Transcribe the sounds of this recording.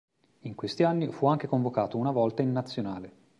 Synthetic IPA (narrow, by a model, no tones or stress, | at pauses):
iŋkwest̪ianːifuaŋk̟ekoɱvokaːt̪ounavɔlt̪ainːat̪sːjonaːle